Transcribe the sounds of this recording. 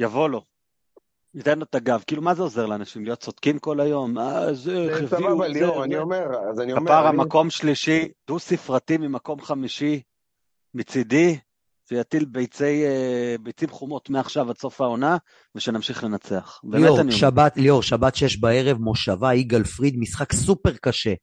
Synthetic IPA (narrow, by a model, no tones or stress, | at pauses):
javo̞lo̞ | nit̪enlotaɡavkiːlumazeo̞ze̞ʁleanaʃimlijo̞t̚t͡so̞d̥kimko̞lajo̞mazeχeviuveniomeʁzanikpaʁamako̞mʃliʃid̥usifʁatimimako̞mχamiʃi | mit͡sid̪i | ʃejat̪ilbejt͡sejbejt͡simχumo̞tmeaχʃavaso̞fao̞na | veʃenamʃiχle̞nat͡se̞aχbeːmeaniʃabat̪lioʁʃabat̪ʃejeʃbaeʁevmo̞ʃavaiɡalfʁid̪misχaksupeʁkaʃe